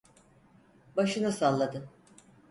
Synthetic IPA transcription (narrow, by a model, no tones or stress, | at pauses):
baʃɯnɯsalˠːad̪ɯ